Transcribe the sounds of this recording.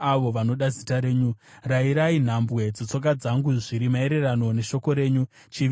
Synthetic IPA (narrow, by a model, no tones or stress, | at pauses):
aʋo̞ʋano̞ɗazitaɾe̞ːɲuraiɾain̤ambwe̞d͡zot͡so̞k̬ad͡zaŋɡuʐiɾimae̞ɾe̞rano̞ne̞ʃo̞ko̞ɾe̞ːɲu | t͡ʃiʋ